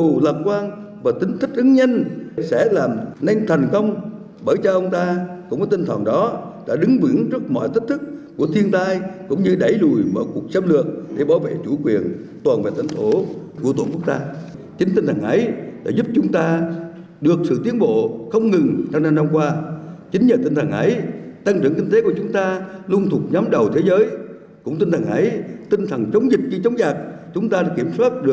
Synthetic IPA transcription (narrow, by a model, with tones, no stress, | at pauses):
wləː˨˩p̚kwaː˧n | vaː˨˩t̪ï˨˦ŋ̟t̪ʰï˦˥k̟̚ʔɨ˨˦ŋɲə˧nsɛ̰˧˥˩laː˨˩mna˧jŋ̟t̪ʰə˨˩ŋkə˧wŋ͡m | ɓəː˧˩jt͡ɕɔ˧ʔə˧wŋ͡mt̪aː˧kʊ̰˧˥ŋ͡mmː˨˦t̪ï˧ŋt̪ʰəː˨˩ŋɗɔ˨˦ɗa̰ː˧˥ɗɨ˨˦ŋvɨ˧˩əŋzɨ˦˥ək̚mɔ̰˧˨jt̪ʰi˦˥k̚t̪ʰɨ˦˥k̚ːu˧˩ət̪ʰi˧ənt̪aː˧jkʊ̰˧˥ŋ͡mɲɨ˧ɗə˧˩jlu˨˩jmə̰ː˧˩jku˨˩ək̚sə˧mlɨ˨˩ək̚ɗe˧˩ɓaː˧˩wvḛ˧˨t͡ɕu˧˩kwi˨˩ən | t̪waː˨˩nvḛ˨˩t̪ʰa˧˩jŋt̪ʰo˧˩ku˧˩əo̰˧˨nku˦˧˥ək̚t̪aː˧ | t͡ɕï˨˦ŋ̟t̪ï˧ŋ̟t̪ʰə˨˩ŋʔə˨˦jɗa̰ː˧˩zʊ˦˥p̚t͡ɕʊ˨˦ŋ͡mt̪aː˧ | ɗɨ˨˩ək̚sɨ̰˧˨t̪i˨˦ənɓo̰˧˨xə˧wŋ͡mŋɨ˨˩ŋt͡ɕa˧wna˧mna˧mkwaː˧t͡ɕï˨˦ŋ̟ɲəː˨˩t̪ï˧ŋ̟t̪ʰə˨˩ŋʔə˨˦jt̪a˧ŋt͡ɕɨ̰˧˩əŋki˧ŋ̟t̪e˨˦ku˧˩ət͡ɕʊ˨˦ŋ͡mt̪aː˧lu˧ŋt̪ʰu˨˩t̚ɲɔ˨˦mɗə˨˩wt̪ʰe˨˦zəː˨˦j | kʊ̰˧˥ŋ͡mt̪i˧ŋ̟t̪ʰə˨˩ŋʔə˨˦jt̪ï˧ŋ̟t̪ʰə˨˩ŋt͡ɕə˨˦wŋ͡mzï˨˩k̚ɲɨ˧t͡ɕə˨˦wŋ͡mzaː˨˩k̚t͡ɕʊ˨˦ŋ͡mt̪aː˧ɗa˨˧˩ki˧˩əmswaː˦˥t̚ɗɨ˨˩ə